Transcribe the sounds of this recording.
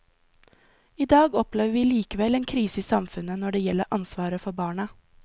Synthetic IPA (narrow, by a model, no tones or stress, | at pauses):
iːd̪ɑːɡɔpleːʋəʋiːliːkəʋɛleːnkʰɾiːsəiːsɑmfʉnənɔɖeːjɛləɾʔɑnsʋɑːɾəfɔbɑːɳə